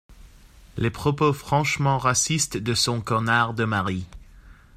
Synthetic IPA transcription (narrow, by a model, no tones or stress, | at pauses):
lepχɔpofχɑ̃ʃmɑ̃ʁasist̪d̪əsɔ̃kɔnaʁd̪əmaʁi